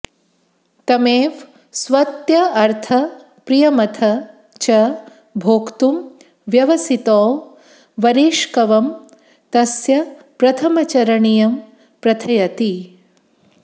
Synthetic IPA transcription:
t̪ɐmeːʋ | sʋɐt̪jɐɐɾt̪ʰɐ | pɾijɐmɐt̪ʰɐ | t͡ʃɐ | bʱoːkt̪um | ʋjɐʋɐsit̪ɔː | ʋɐɾeːʃkɐʋɐm | t̪ɐsjɐ | pɾɐt̪ʰɐmɐt͡ʃɐɾɐɳijɐm | pɾɐt̪ʰɐjɐt̪i

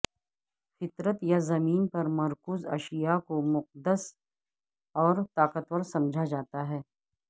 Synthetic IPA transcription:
fɪt̪ɾət̪jazɐmiːnpɐɾmɐɾkuːzɐ̰ʃijakomʊq̚d̪əs | ɔːɾt̪aːqət̪wəɾsɐ̃md͡ʒʱad͡ʒaːt̪aɦɛː

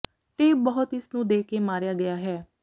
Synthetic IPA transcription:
t̪eːbəɦʊt̪ɪsnũːd̪eːkeːmaːɾjaːɡəjaːɦɛː

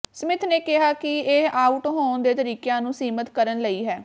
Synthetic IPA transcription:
səmɪt̪ʰneːkɪɦaːkɪeaːʊʈɦoːnd̪eːt̪əɾiːkjãːnũːsiːmət̪kəɾənləiːɦɛː

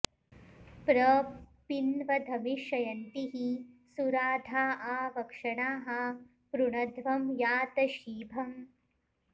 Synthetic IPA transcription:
pɾɐpinʋɐd̪ʱɐmiʃɐjɐnt̪iɦisuɾaːd̪ʱaːʔaːʋɐkʂɐɳaːɦɐ | pɾuɳɐd̪ʱʋɐmjaːt̪ɐʃiːbʱɐm

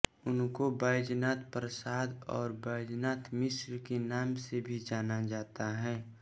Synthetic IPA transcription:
ʊnkobaːjd͡ʒnaːt̪pɾəsaːd̪ɔːɾbaːjd͡ʒnaːt̪mɪsɾkenaːmsebʱid͡ʒaːnad͡ʒaːt̪aɦɛ̃ː

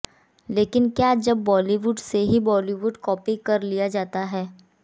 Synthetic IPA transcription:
leːkɪnkjaːd͡ʒɐbːɔːliʋuːɖseɦibɔːliʋuːɖkɔːpikɐɾlijad͡ʒaːt̪aɦɛː

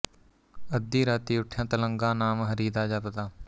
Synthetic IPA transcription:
əd̪ːiːɾaːt̪iːʊʈʰjãːt̪ələŋɡãːnaːmɦəɾiːd̪aːd͡ʒaːpət̪aː

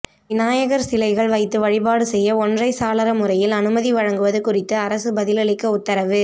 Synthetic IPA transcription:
ʋɪnaːjɐɣɐɾsɪlɐɪɣɐɭʋɐɪt̪ːɯʋɐɻɪbaːɽɯsɛjːɐɔndrɐɪsaːlɐɾɐmʊrɐjɪlɐnɯmɐðiʋɐɻɐŋɡɯʋɐðɯkʊrɪt̪ːɯɐɾɐsɯbɐðɪlɐɭɪkːɯʊt̪ːɐɾɐʋɯ

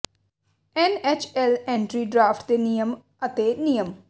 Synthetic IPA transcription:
ɛnɛːt͡ʃʰɛːlɛ̃ːɳʈɾiːɖɾaːpʈd̪eːnijəm | ət̪eːnijəm

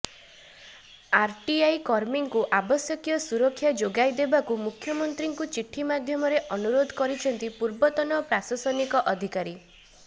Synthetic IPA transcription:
aɾʈiajkɔɾmiŋkuʔabɔsjɔkijɔsuɾɔkʰːjad͡ʒoɡajd̪ebakumukʰːjɔmɔnt̪ɾiŋkut͡ʃiʈʰːimad̪ʱjɔmɔɾeʔɔnuɾod̪ʱɔkɔɾit͡ʃʰɔnt̪ipuɾbɔt̪ɔnɔpɾasɔsɔnikɔʔɔd̪ʱikaɾi

